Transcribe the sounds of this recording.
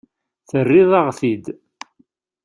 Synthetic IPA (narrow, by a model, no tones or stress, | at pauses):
θərːɪðˤɑʁθid̪